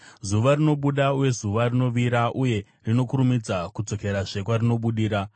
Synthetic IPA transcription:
zuʋarino̞ɓuɗauje̞zuʋarino̞ʋiɾaʔuje̞ | rino̞kuɾumid͡zakud͡zo̞ke̞ɾaʐe̞kwarino̞ɓuɗiːɾa

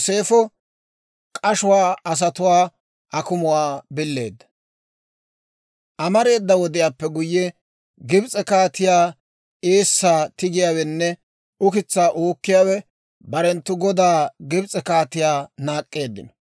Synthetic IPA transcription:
se̞ːfɔ | kʼɐʃʊwaːɐs̬ɐt̪ʊwaː | ʔɐkʊmʊwaːbɪlːe̞̰ːd̪ːɐ̥ | ʔɐmɐɾe̞ːd̪ːɐwɔd̪ɪjaːpːɛɡʊjːɛ | ɡɪbt͡sʼɛkaːt̪ɪjaː | eːsːaːt̪ɪɡɪjaːwɛnːɛ | ʊkɪt͡sːaːʔoːkːɪjaːwɛ | bɐɾɛnt̪ːʊɡɔd̪aːɡɪbt͡sʼɛkaːt̪ɪjaːnaːkʼːe̞ːd̪ːɪ̰nɔ

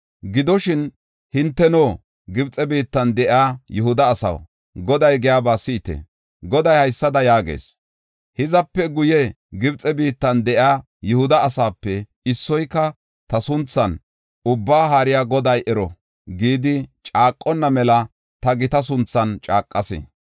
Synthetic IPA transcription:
ɡɪd̪ɔʃɪn | hɪnt̪ːɛnoː | ɡɪbt͡sʼɛbiːt̪ːɐnd̪ɛʔaːjʊhʊd̪ɐːsɐ̰w | ɡɔd̪ɐjɡɛjaːbaːsɪɪt̪ḛ | ɡɔd̪ɐjhɐjsːɐd̪ɐjaːɡḛːs | hɪzɐpːɛɡʊjɛ | ɡɪbt͡sʼɛbiːt̪ːɐnd̪ɛʔaː | jʊhʊd̪ɐːsaːpːɛ | ɪsːɔjkːɐ | t̪ɐsʊnt͡sːɐn | ʊbːaːɦaːɾɪjaːɡɔd̪ɐjʔɛɾɔ | ɡiːd̪ɪt͡ʃʼaːkʼːɔnːɐmɛlɐ | t̪ɐɡɪt̪ɐs̬ʊnt͡sːɐnt͡ʃʼaːkʼːɐsɛ̰

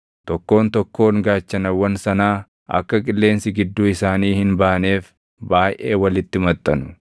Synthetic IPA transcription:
t̪ɔkːo̞ːnt̪ɔkːo̞ːŋɡaːt͡ʃːɐnɐwːɐnsɐnaː | ɐ̰kːɐkʼɪlːe̞ːnsɪɡɪd̪ːuːɪsaːniːhɪnbaːneːf | baːjʔe̞ːwɐlɪt̪ːɪmɐt̪ʼːɐnʊ̥

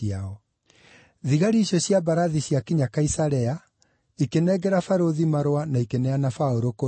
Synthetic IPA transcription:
aɔ | ðiɣaɾiːɕjɔɕjabaɾaðiɕjakiɲakaisaɾɛa | ikenɛɡɛɾafaɾoðimaɾwanaikenɛanafaoɾoko

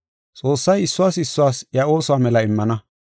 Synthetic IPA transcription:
t͡sʼo̞ːsːɐjɪsːʊwaːsɪsːʊwaːsjɐo̞ːsʊwaːmɛlɐɪmːɐnɐ

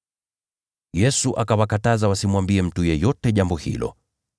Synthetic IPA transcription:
jɛsuʔakawakatazawasimwambiɛm̩tujɛjɔtɛʄambɔhḭlɔ̰

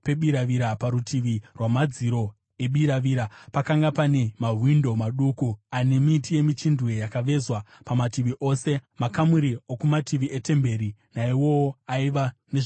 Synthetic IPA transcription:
pe̞ɓiɾaʋiɾapaɾutʰiʋirwamad͡ziɾo̞ | e̞ɓiɾaʋiːɾapakaŋɡapane̞maɦwindo̞maɗukuane̞mitije̞mit͡ʃindwejakaʋe̞zwa | pamatiʋiʔo̞ːse̞makamuɾiokumatiʋiʔete̞mbe̞ɾinaiwo̞oaiʋane̞ʐ

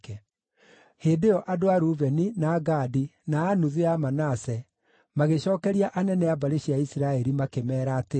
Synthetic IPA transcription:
kɛ | heːdeɔʔadoaɾuvɛninaːɡaːdinaːnuðeamanasɛ | maɣeɕɔːkɛɾiaʔanɛnɛabaɾeɕiaisiɾaɛɾimakemɛːɾaːte

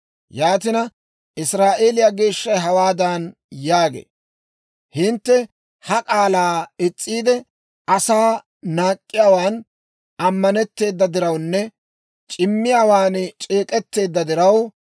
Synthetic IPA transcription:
jaːt̪̬ɪnɐ | ʔɪsɾaːʔe̞ːlɪjaːɡe̞ːʃːɐjɦɐwaːd̪ɐn | jaːɡḛː | hɪnt̪ːɛ | hɐkʼaːlaːɪt͡sʼːiːd̪ɛ | ɐsaː | naːkʼːɪjaːwaːn | ɐmːɐnɛt̪ːe̞ːd̪ːɐd̪ɪɾɐwnːɛ | t͡ʃʼɪmːɪjaːwaːnt͡ʃʼeːkʼɛt̪ːe̞ːd̪ːɐd̪ɪɾɐw

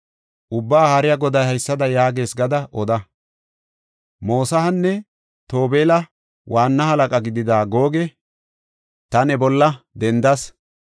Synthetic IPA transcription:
ʔʊbːaːhɐɾɪjɐɡɔd̪ɐjhɐjsːɐd̪ɐjaːɡe̞ːsɡɐd̪ɐʔɔd̪ɐ | mo̞ːsɐhɐnːɛ | t̪o̞ːbeːlɐ | wʔaːnːɐhɐlɐkʼɐɡɪd̪ɪd̪aːɡo̞ːɡɛ | t̪ɐnɛbɔlːɐd̪ɛnd̪ɐs

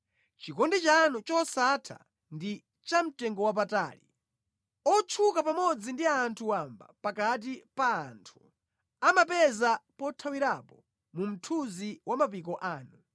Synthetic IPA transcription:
t͡ʃikɔndɛt͡ʃanut͡ʃɔsatʰa̰ | ndi | t͡ʃam̩tɛŋɡɔwap̬ata̰ːlḭ | ɔt͡ʃʰukapamɔd͡zindiaːntʰuwamba̰pakat̬ipaːntʰu̥ | amapɛzapɔtʰawiɾapɔ | mum̩tʰuziwʔamapikɔʔaːnu

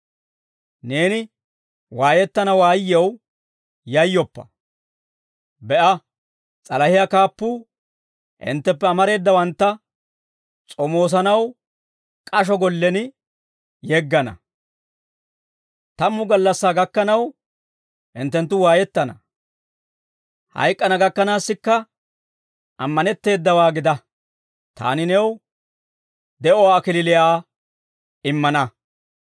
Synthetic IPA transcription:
ne̞ːnɪ | waːjɛt̪ːɐnɐwaːjːɛw | jɐjːɔpːɐ̥ | bɛʔɐ | t͡sʼɐlɐhɪjakaːpːuː | ʔɪ̰nt̪ːɛpːɛɐmɐɾe̞ːd̪ːɐwɐnt̪ːɐ | t͡sʼɔmo̞ːs̬ɐnɐw | kʼɐʃ̬ɔɡɔlːɛnɪ | jɛɡːɐnɐ̰ | t̪ɐmːʊɡɐlːɐsːaːɡɐkːɐnɐw | hɪnt̪ːɛnt̪ːʊwaːjɛt̪ːɐnɐ | hɐ̰jkʼːɐnɐɡɐkːɐnaːsːɪkːɐ | ʔɐmːɐnɛt̪ːe̞ːd̪ːɐwaːɡɪd̪ɐ | t̪a̰ːnɪnɛw | d̪ɛʔɔwaːkɪlɪlɪjaː | ɪmːɐnɐ

